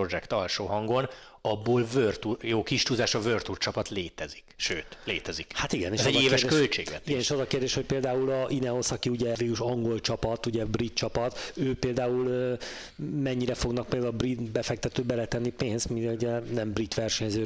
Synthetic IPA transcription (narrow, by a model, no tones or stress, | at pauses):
od͡ʒɛkt̪ɒlʃoːɦɒŋɡo̞n | ɒbːoːlvørt̪ujoːkiʃt̪uːzaːʃɒvørt̪ult͡ʃɒpɒt̪leːt̪ɛzi̥kʃøːt̪leːt̪ɛzikhat̪iɡɛneːɛzɛɟeːvɛʃkølt͡ʃeːɡlɛt̪ieɡɛːneːʃɒzɒkeːrd̪eːʃho̞c̚peːld̪aːulɒʔinɛosɒkiuɟɛviːɾuʃɒŋɡo̞lt͡ʃɒpɒt̪uɟɛbrit̪t͡ʃɒpɒt̪øːpeːld̪aːulː | mɛɲːiɾɛfo̞ɡnɒk̚peːld̪aulbrit̪bɛfɛk̚t̪ɛt̪øːbɛlɛt̪ɛnːipeːnst̪midɛluɟɛnɛmbrit̪ʋɛrʃɛɲzøː